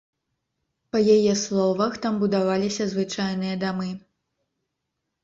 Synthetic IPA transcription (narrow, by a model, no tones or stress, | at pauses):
pɐjajɛslˠɔvɐxt̪ambud̪avalʲisʲɐzvɨt͡ʂajnɨjɐd̪amɨ